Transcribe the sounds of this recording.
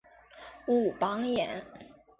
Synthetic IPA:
u˥˨˩pɑ˥ŋjɛ̰˧˩˥n

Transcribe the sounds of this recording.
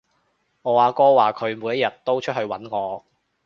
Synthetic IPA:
ŋɔː˨˧aː˨˧kɔː˥waː˨˩kʰɵ˨˧ɥmuː˨˧jɐ˥t̚jɐ˨t̚t̪o˥wt͡ʃʰt̚hɵ˧ɥwɐ˨˥nŋɔː˨˧

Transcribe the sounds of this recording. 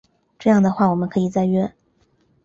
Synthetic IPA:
ʈ͡ʂɤ˥˧jɑ˥˩ŋd̪ə˩xwa˥˩wɔ˨˩mə˦nkʰɤ˧˥i˨˩t͡sa˥˧ɪɥɛ˥

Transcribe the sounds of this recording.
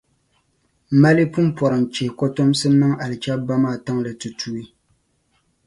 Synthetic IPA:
ma˦li˦pu˦m˦pɔ˨ɾɨ˨ŋt͡ʃe˨kɔ˦to˦msɨ˦nɨ˦ŋa˨lɨ˨t͡ʃa˦ba˦maː˦˨ta˦ŋlɨ˨tɨ˨tuː˦i˦

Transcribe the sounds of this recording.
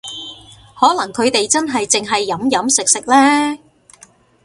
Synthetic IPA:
hɔː˨˥lɐ˨˩ŋkʰɵ˨˧ɥt̪e˨jt͡sɐ˥nɦɐ˨jt͡sɪ˨ŋɦɐ˨jːɐ˨˥mjɐ˨˥msɪ˨k̚sɪ˨k̚lɛː˥

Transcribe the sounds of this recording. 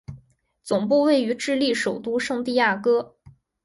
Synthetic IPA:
t͡sʊ˨˩ŋpu˥˧we˥˩ɪy˧˥ʈ͡ʂɻ̩˥˧li˥˩ʂo˨˩ʊt̪u˥ʂɤ˥˧ŋt̪i˥˧ja˥˩kɤ˥

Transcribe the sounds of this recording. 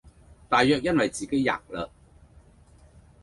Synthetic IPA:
t̪aː˨jːœː˨k̚jɐ˥nwɐ˨jt͡siː˨ke˨˥jːa̰ː˨k̚lə̰ː˧

